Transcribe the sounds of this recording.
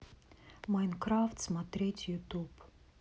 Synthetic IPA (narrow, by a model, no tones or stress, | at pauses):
majnkɾaft̪smɐt̪ɾʲetʲjut̪up